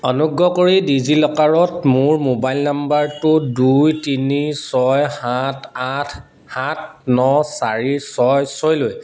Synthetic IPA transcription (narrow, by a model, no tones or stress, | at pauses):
ɔnuɡːɔkoɹidizilɔkaɹɔtmʊɹmobajlnambaɹtʊdujtinisɔjhatʰatʰ | hat̚ʰnɔsaɹisɔjsɔjloj